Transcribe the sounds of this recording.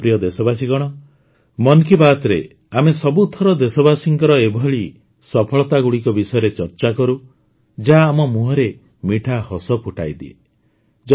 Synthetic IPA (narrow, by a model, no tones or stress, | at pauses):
pɾijɔd̪esɔbas̬iɡɔɽ̃ɔ | mɔnkibat̪ɔɾe | amesɔbut̪ʰːɔɾɔd̪esɔbasiŋkɔɾɔebʱɔɭi | sɔpʰɔɭɔt̪aɡuɭikɔbisɔjɔɾet͡ʃɔɾt͡ʃakɔɾu | d͡ʒaːmɔmuɦɔɾe | miʈʰahɔsɔpuʈʰa̰jd̪iḛ | d͡ʒ